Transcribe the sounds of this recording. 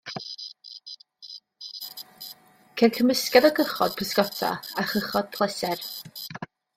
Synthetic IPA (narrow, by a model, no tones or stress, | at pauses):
kʰɛnkʰəməskɛðɔɡəχɔd̥̚pʰəskɔtʰa̰aχəχɔd̥̚pʰlˠɛsɛr